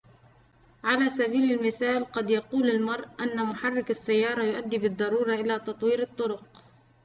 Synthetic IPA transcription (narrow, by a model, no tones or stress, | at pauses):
ʕalaːsabiːlalmɪθaːlqɑd̪jɑquːlalmɑɾˤʔʔanːamʊħarˤːɪkɑsːajːɑːɾˤɑjʊʔad̪ːibɨd̪ˤːɑɾuːɾˤɑʔɪlaːt̪ɑt̪ˤwiːɾɨt̪ˤːʊɾʊq